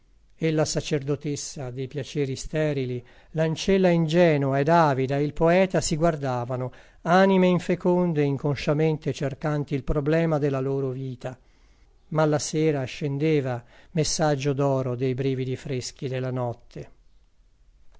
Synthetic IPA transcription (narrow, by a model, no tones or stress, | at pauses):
elːasat͡ʃerd̪ot̪esːad̪ejpjat͡ʃɛːɾist̪ɛːɾili | lant͡ʃɛlːaind͡ʒɛːnuaed̪aːvid̪aeilpoɛːt̪asiɡward̪aːvano | aːnimeiɱfekond̪eiŋkonʃament̪et͡ʃerkant̪iːlpɾoblɛːmad̪elːaloːɾoviːt̪a | malːasɛːɾaʃend̪eːvamesːad͡ʒːod̪ɔːɾod̪ejbɾiːvid̪ifɾesk̟id̪elːanɔt̪ʰːe